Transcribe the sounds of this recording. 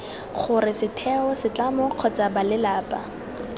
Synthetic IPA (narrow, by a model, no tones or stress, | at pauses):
χʊrɪsɪtʰɛɔsɪt͡ɬamɔq͡χʰɔt͡sabalɪlaːpʼa